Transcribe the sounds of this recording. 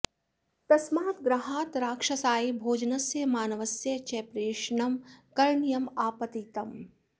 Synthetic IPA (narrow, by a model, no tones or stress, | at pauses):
t̪ɐsmaːt̪ɡɾɐɦaːt̪ɾaːkʂɐsaːibʱoːd͡ʒɐnɐsjɐmaːnɐʋɐsjɐt͡ʃɛːpɾeːʃɳɐmkɐɾɳjɐmaːpɐt̪it̪ɐm